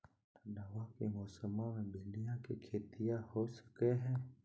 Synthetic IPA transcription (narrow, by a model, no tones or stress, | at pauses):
naʋakemɔːsəmãmẽbɪlijãkikʰeːt̪ijahosə̥keɦɛ̃ː